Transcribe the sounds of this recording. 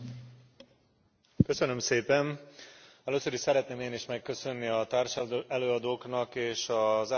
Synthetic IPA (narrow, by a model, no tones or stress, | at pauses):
kø̞sø̞nø̞mseːpɛn | ɛløːsø̞ɾiʃsɛɾɛt̪neːmeːniʃmɛkːø̞sø̞nːiɒt̪aːrʃɛløːɒd̪oːknɒkeːʃɒza